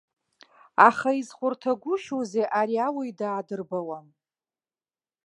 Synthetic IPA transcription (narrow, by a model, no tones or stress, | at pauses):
aχaizχʷʊrtʰaɡʷʊʃozeʔaɾiawaidaːdɨrbawan